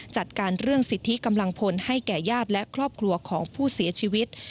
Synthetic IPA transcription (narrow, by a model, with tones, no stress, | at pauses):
t͡ɕa˨˩t̪̚kaː˧nɾɯ˥˩əŋsi˨˩t̪ʰːi˦˥ka˧mla˧ŋpʰo˧nha˥˩jkɛː˨˩jaː˥˩t̪̚lɛ˦˥kʰɾɔː˥˩p̚kʰlu˧ɐkʰɔː˩˦ŋpʰuː˥˩si˩˦ɐt͡ɕʰiː˧wi˦˥t̪̚